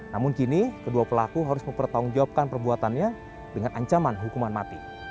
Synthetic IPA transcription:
namʊnkinikəduapəlakuɦaɾʊsmə̃mpərt̪auŋd͡ʒawap̚kanpərbuat̪anɲa | dəŋanaɲt͡ʃamanɦukumanmat̪i

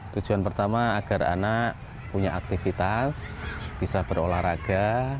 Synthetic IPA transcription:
t̪u̥d͡ʒ̥uanpərt̪amaːɡ̥a̤ra̰naʔ | puɲaʔak̚t̪ifit̪asb̥isab̥ərolahɾaɡ̥a

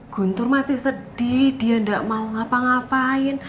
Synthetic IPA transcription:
ɡ̥ṳnt̪ʊrmasɪhsəd̥id̥iandaʔmauŋapaŋapaɪn

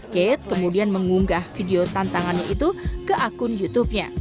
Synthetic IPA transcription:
sket̪̚kəmudianməŋuŋɡahfideot̪ant̪aŋanɲaʔit̪ukəʔakʊnjut̪up̚ɲa̰

